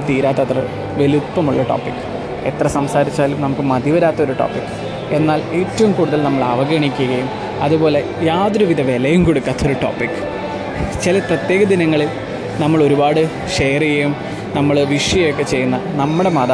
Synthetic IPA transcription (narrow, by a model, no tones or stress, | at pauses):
t̪iːɾaːt̪ːɐt̪rɐ | ʋe̞lut̪pːɐmuɭːɐʈo̰ːpikːɨ̥ | et̪rɐsɐmsaːɾit͡ɕːaːlumnɐmukːɨmɐd̪ʱiʋɐɾaːt̪ːɐoɾuʈo̰ːpːikːɨ̥ | e̞nːaːle̞ːtːɐʋumkuːɽuðɐlnɐmːɐɭɐʋɐɡɐɳikʲːuɣɐjum | ɐðubo̞ːle̞ | jaːd̪ɾuʋiðɐʋe̞lɐjumkoɽukːaːt̪ːɐoɾuʈo̞̰ːpːikːɨ̥ | t͡ɕilɐprɐt̪jeːɣɐd̪inɐŋːɐɭil | nɐmːɐɭo̞ɾubaːɽɨ | ʂe̞ːjɐrijejum | nɐmːɐɭʋiʂjɐjjokːet͡ɕe̞jːunːɐnɐmːuɽe̞mɐða